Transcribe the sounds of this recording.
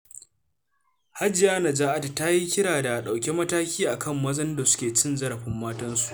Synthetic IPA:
ha˦d͡ʒɪ˨jaː˦na˨d͡ʒaː˦ʔa˦ta˨ta˦ji˦kʲɪ˦ɽaː˨da˨ɗa˨wkʲe˦mɐ˦taː˦kʲiː˦ʔa˨kʰɐ˦˨mːɐ˦zɐ˦nda˨sʊ̥˦kʲeː˨t͡ʃɪ˦nzɐ˦ɽɐ˨ɸɪ˦mːaː˦tɐ˦nsu̥˨ʔ

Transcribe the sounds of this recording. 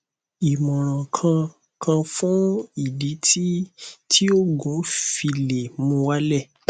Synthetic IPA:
i˨mɔ̃˨ɾ̃ã˨kʰã˧ | kʰã˧fũ˦i˦˨di˨˦ti˦tʰi˦o˦ɡɔ̃˨˦fi˧le˨mũ˧wa˦lɛ˦˨

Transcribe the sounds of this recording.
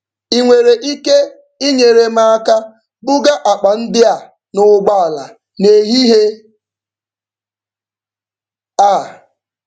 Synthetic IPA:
i˨ŋʷe˨ɾe˨ʔi˦ke˦ | i˦ɲe˨ɾe˨ma˦a˦ka˦ | bʊ˦ɡa˦ʔa˨k͡pa˨n̩˦dɪ˦a˨ | nʊ˨ɡ͡ba˦˨a˨la̰˨ | ne˨ɦi˦ɦe˦ | a˦˨

